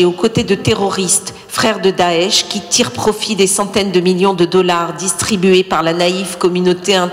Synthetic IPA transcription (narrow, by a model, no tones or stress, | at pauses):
okot̪ed̪ət̪eʁɔʁist̪ | fχɛʁd̪əd̪aɛʃkʲit̪ʰiʁpχɔfid̪esɑ̃t̪ɛnd̪əmiljɔ̃d̪əd̪ɔlaʁd̪ist̪χibyɥepaʁlanaivkɔmynot̪eɛ̃